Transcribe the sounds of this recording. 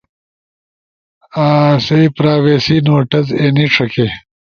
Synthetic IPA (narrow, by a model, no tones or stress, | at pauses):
aːseipɾaːweːsinoːʈɐzeːniʈ͡ʂʰɐke